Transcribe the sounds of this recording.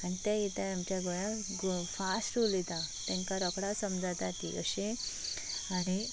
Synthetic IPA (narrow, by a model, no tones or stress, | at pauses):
añit̪ɛit̪ãamt͡ɕjaɡɔjã | ɡfasʈulit̪at̪ɛ̃ŋkaɾɔkɽasəmd͡zat̪at̪ḭʔə̰ɕe | ane